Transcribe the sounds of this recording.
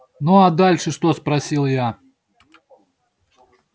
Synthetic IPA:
noad̪alʲʂɨʂt̪ospɾɐsʲilˠja

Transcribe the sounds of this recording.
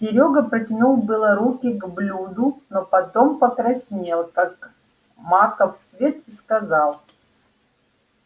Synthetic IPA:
sʲɪɾʲoɡəpɾətʲɪnulˠbʲɨlˠəɾukʲɪɡblʲud̪ʊnopɐt̪o̞mpəkɾɐsʲnʲelˠkak | makəft̪svʲe̞t̪̚ɪskɐzɑlˠ

